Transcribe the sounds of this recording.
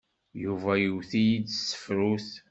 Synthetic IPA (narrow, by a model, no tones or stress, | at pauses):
juvæjuwθijid̪sə̥fɾuθ